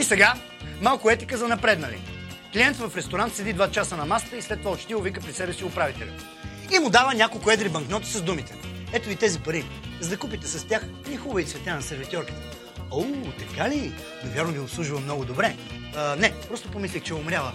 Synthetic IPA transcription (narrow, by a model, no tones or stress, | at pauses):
isɛɡa | malˠkʊɛt̪i̥kəzɐnɐpɾɛd̪nɐlḭklijɛnt̪vɐfɾɛst̪oɾant̪sɛd̪id̪vat͡ʃasənɐmast̪əislɛt̪ːovaot͡ʃt̪iovikəpɾisɛbɛsiʊpɾavit̪ɛlʲḭ | imʊd̪avənʲakolˠkʊɛd̪ɾibɐŋknɔt̪ə̥sɐzd̪umit̪ɛɛt̪ʊit̪ɛzipɐɾi | zɐkupit̪ɛsɐst̪ʲax | nʲixubəit̪svɛt̪ʲjanɐsɛɾvit̪ʲɔɾkə̥t̪ | ot̪ɐkali | nɐvʲjaɾnʊvʲiʊpslˠuʒuvɐmnɔɡʊd̪obɾɛ | nɛpɾɔst̪ʊpomislʲixt͡ʃɛʊmɾʲavə